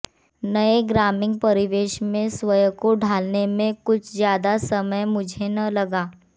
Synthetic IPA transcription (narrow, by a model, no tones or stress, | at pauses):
nɐeɡɾaːmɪ̃ŋɡ̚pɐɾɪʋeːʃmẽsʋəjkoɖʱaːlnemẽkʊt͡ʃʰzjaːd̪asɐməjmʊd͡ʒʱenɐlɐɡaː